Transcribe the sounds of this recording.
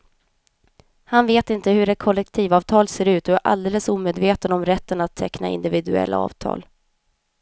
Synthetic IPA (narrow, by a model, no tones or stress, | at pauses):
hanveːt̪ɪnt̪əhɵɖɛkʰɔlːɛkt̪ʰiːvɑːvt̪ʰɑːlseːɾʉ̟ːt̪ɔæɾʔa̰ld̪eːləsuːmeːd̪veːt̪ənɔmɾɛt̪ːənat̪ʰːɛkna̰ɪ̰nd̪ɪvɪd̪ɵɛ̰lːʔa̰ɑ̰ːvt̪ʰɑ̰ːl